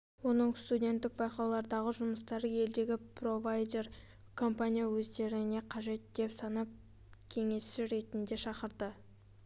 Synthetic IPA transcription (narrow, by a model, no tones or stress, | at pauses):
wo̞nəɴst̪udʲe̞nt̪ːɪk̚bɑjqɑwlˠɑɾd̪ɑʁəʒʊməst̪ɑɾəje̞ld̪e̞ɡʲɪpro̞vajd̪e̞r | kʰo̞mpanʲijawɵzd̪e̞ɾɪne̞qʰɑʒe̞t̪̚d̪̥e̞psɑnɑp̚ | kʲʰe̞ŋe̞sɪɾe̞t̪ɪnd̪e̞ʃɑqəɾd̪ə